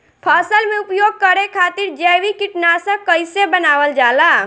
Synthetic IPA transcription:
pʰasəlmeupjoɡ̚kəɾekʰat̪iɾd͡ʒəwikiʈnasə̃kəɪsebənaʋəld͡ʒala

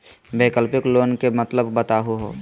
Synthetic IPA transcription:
beːkəlpɪkloːnkemət̪ləbːət̪aɦoɦoː

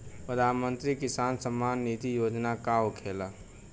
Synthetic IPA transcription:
pɾəd̪ʱaːnmənt̪ɾikisaːnsəmːanːit̪ijoːd͡ʒnakaokʰela

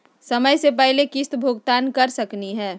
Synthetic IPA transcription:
səməjsep̬ɛɦlekɪst̪bʱoɡt̪aːnkɐɾsəkniɦɛː

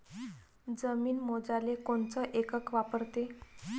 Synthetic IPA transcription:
d͡zəmiːnmod͡zalekoɳt͡səʔekəkʋapəɾt̪e

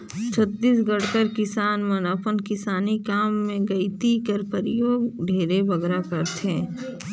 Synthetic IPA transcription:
t͡ʃʰɐt̪ːiːsɡɐɽkəɾkɪsaːnmɐnəpənkɪsaːnikaːmːẽɡɐit̪ikəɾpəɾɪjoːɡɖʱeːɾebɐɡɾakɐɾt̪ɛ̃ː

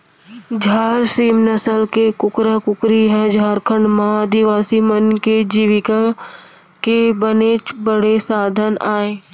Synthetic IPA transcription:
d͡ʒʱaːɾsiːmnəsəlkekʊkɾəkʊkɾiɦɛd͡ʒʱaːɾkʰəɳɖmãəd̪iʋaːsimənked͡ʒiːʋɪka | kebənet͡ʃbəɽesaːd̪ʱənaːẽː

